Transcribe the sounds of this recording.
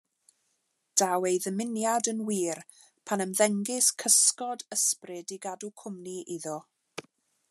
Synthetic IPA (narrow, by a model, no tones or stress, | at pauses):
d̥awejðəmɪnjadənwiːr | pʰanəmðɛŋɡɪskʰəskɔdəsprɨdiɡadukʰʊmniʔɪðɔ